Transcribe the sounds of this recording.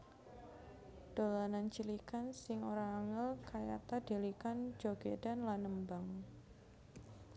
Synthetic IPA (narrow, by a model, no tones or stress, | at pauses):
d̥olanant͡ʃilikansɪŋoɾaːŋəlkaja̰t̪ade̤likand͡ʒoɡ̥ed̥anlanəmbaŋ